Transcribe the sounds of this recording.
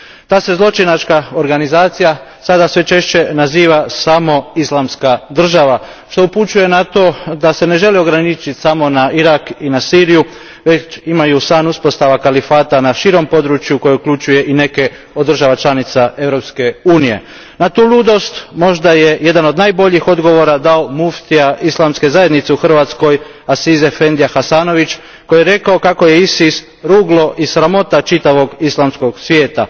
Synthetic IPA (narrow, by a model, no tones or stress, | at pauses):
t̪aːse̞zlˠo̞t͡ʃinat͡ʃkaoɾɡanizaːt̪sija | sad̪asʋe̞t͡ʃe̞ʃt͡ɕe̞naziːʋasamo̞islˠamskad̪r̩ʒaʋa | ʃt̪o̞uput͡ʃuje̞nat̪o̞ːd̪ase̞ne̞ʒe̞lio̞ɡɾanit͡ʃit̪samo̞naiɾakinasiːɾiju | ʋe̞t͡ʃimajusaːnuspo̞st̪aʋakalifaːt̪anaʃiɾo̞mpo̞d̪ɾut͡ʃjuko̞jeukʎut͡ʃuje̞ʔine̞ke̞ | od̪ɾr̩ʒaʋat͡ʃlˠanit̪saʔe̞ʋɾo̞pske̞uːnije̞̰ | nat̪uːlˠuːd̪o̞st̪mo̞ʒd̪aje̞je̞d̪ano̞d̪najbo̞ʎixo̞d̪ɡo̞ʋo̞ɾad̪aomuft̪iaislˠamske̞zaje̞d̪nit̪seuxr̩ʋat̪sko̞j | asize̞fe̞nd̪ijaxasaːno̞ʋit͡ʃ | ko̞jeɾe̞kaokako̞je̞isis | ɾuːɡlo̞ʔisɾamo̞t̪at͡ʃit̪aʋo̞ɡislˠamsko̞ɡsʋje̞ːt̪a̰